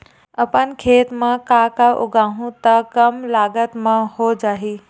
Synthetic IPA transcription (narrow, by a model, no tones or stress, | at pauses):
ɐpənkʰeːt̪mãkaːkaʔʊ̰ɡaːɦũt̪ɐkɐmlaːɡət̪mãhod͡ʒaːɦeː